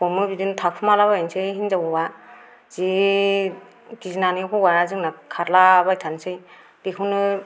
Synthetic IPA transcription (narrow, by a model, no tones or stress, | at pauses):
pɔmɯbidintʰak̚pʰɯmalaβajansɯjɦinzawɔwa | z̥i | ɡizinanikʰɔwaɾazɯŋnakʰaɾlaβajtʰansɯj | d̥ikʰɯnɯ